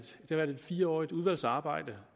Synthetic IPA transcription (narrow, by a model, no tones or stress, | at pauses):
d̥e̝hɑʋæɐd̥ed̥fiːɐɒ̰ːið̥uð̞ˠʋæl̰sɑ̈ːb̥ɑ̈ɪ̰d̥ə